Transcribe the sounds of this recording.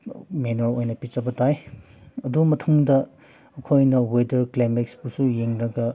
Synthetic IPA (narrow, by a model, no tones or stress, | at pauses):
menoɾojnɐpit͡ʃɐbɐtaj | ɐdumɐtʰuŋdɐː | kʰojnɐwedɐɾklemeksbusujeŋɾɐɡɐ